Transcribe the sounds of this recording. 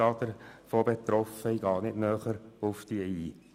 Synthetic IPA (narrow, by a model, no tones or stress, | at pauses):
ɑːd̥̪əɾfoːbet̪ɾɔfəiɡɑːnɪdnœːχəɾʊfd̥iəiː